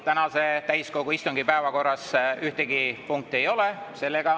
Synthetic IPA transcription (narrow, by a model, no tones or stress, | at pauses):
t̪ænɑse̞t̪æjsko̞ɡ̥uist̪uŋɡipæevɑko̞rːɑsyht̪eɡipuŋk̚t̪ejo̞lese̞lːeɡ̥ɑ